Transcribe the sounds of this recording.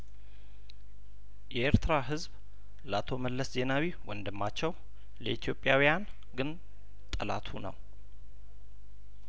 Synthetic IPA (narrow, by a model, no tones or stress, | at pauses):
jɛʔeɾt̪ʰɾaɦɨzb | lat̪ʰo̞məlːəsze̞nawiwɔnd̪ɨmːat͡ʃːɛw | ləʔit̪ʰjo̞pʼjawijan | ɡɨn | t̪ʼəla̰t̪ʰunə̰w